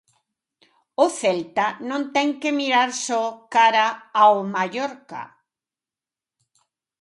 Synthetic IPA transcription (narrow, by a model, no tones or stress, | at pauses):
ʊθɛlt̪anõnt̪ɛŋkemiɾaɾsɔkaɾaawmaʎoɾka̰